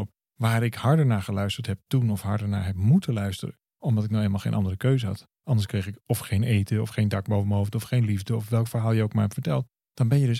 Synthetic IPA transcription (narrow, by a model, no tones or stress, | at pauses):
p | ʋaːɾɪkhɑɹdənaːɹχəlœɥstəɹtɦɛp̚tunɔfhɑɹdəna̰ːɹɦɛp̚mutəlœɥstərə̰ | ɔmdɑtɪk̚nɔχeːlˠmalˠχḛjnʔɑndərəkøɥzəɦɑ̰t | ɑndəɹskrejχɪkɔfχejnejtəɔfχejndɑk̚bowvəməɦowftɔfχejnlivdəɔfʋɛlˠkfəɹɦaːlˠjəok̚maːɹɦɛpfəɹtɛlˠt | d̥ɑnbɛnjədɵs